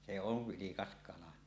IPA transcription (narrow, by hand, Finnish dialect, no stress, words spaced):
se oʋ ʋilikɑs kɑlɑ